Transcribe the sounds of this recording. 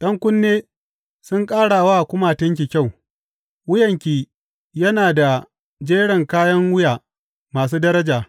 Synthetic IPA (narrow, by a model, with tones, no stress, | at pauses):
ɗɐ˦ŋkʷʊ˦nːeː˦ | sʊ˦ŋkʼaː˦ɽa˨waː˦ʔkʷʊ˦ma˨tɪ˦ŋk̬ʲi˨kʲa˦˨w | wʊ˦jɐ˨ŋkʲiː˨ | jɐ˦naː˨da˨ | d͡ʒeː˦ɽɐ˨ŋkaː˦jɐ˦ŋwʊ˦jaː˨ | maː˨s̬uː˦dɐ˦ɾɐ˦d͡ʒaː˨